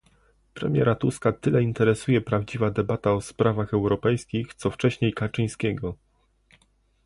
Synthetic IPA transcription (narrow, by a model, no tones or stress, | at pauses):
pɾɛ̰mʲjɛ̰ɾat̪uskat̪ɘlɛint̪ɛɾɛsujɛpɾavd͡ʑivad̪ɛbat̪aɔspɾavaxɛwɾɔpɛjskʲixt̪sɔft͡ʂɛɕɲejkat͡ʂɘj̃skʲɛɡɔ